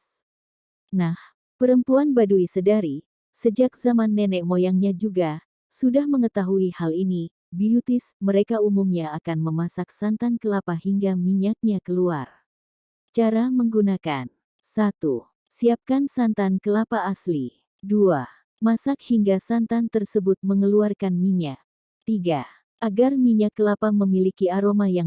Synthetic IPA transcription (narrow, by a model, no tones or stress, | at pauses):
nah | pəɾəmpuanbaduisədaɾi | səd͡ʒak̚zamanːɛnɛkmojaŋɲad͡ʒuɡa | sudahməŋət̪aɦuihalini | biut̪ɪsməɾekaumumɲaːkanməmasak̚sant̪ankəlapahiŋɡamiɲak̚ɲakəluar | t͡ʃaɾaməŋɡunakan | sat̪u | siap̚kansant̪ankəlapaːsli | dua | masakhiŋɡasant̪ant̪ərsəbʊt̪̚məŋəluarkanmiɲak̚ | t̪iɡa | ʔaɡarmiɲakːəlapaməmilikiaɾomajaŋ